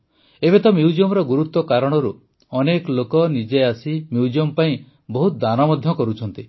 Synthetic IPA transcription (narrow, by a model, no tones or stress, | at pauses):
ebet̪ɔmjuud͡ʒiɔmɾɔɡuɾut̪ːɔkaɾɔɽ̃ɔɾu | ɔnekɔlokɔnid͡ʒeasimjuud͡ʒiɔmpaĩ | bɔɦut̪d̪anɔmɔd̪ʱjɔkɔɾut͡ʃʰɔnt̪i